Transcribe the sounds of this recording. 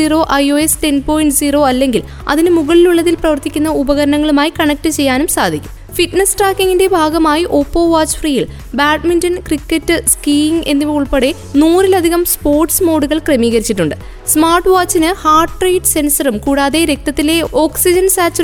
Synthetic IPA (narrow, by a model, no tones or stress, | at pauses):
iːro̞ːʔɐjo̞ːesʈe̞nɖpo̞ːjiɳʈsiːro̞ːɐlːe̞ŋɡil | ɐ̰ðinɨmuɣɐɭiluɭːɐðilprɐʋɐrt̪ikʲːunːɐubɐɣɐɾɐɳɐŋːɐɭumaːjikɐɳɐk̚ʈɨt͡ɕe̞jːaːnumsaːd̪ʱikʲːu̥m | fiʈnɐsʈraːkːiŋinde̞bʱaːɡɐmaːjiʔo̞pːo̞ːʋaːt͡ɕːfriːjil | baːʈmindɐnkrikːetːɨskiːŋɡe̞nːiʋiuɭpeɽe̞ | nuːrilɐd̪ʱiɣɐmspo̞ːrʈsmo̞ːɽuɣɐɭkrɐmiːɣɐɾit͡ɕːiʈːuɳɖɨ | smaːrʈːʋaːt͡ɕːinɨhaːrʈːrejʈɨse̞nsɐrumkuːɽaːðe̞ɾe̞k̚t̪ɐt̪ːile̞o̞ːksid͡ʑɐnsaːt͡ɕːɐ